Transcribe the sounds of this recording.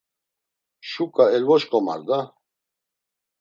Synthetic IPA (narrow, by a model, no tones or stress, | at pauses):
ʃukʼaɛlvɔʃkʼɔma̰ɾd̪a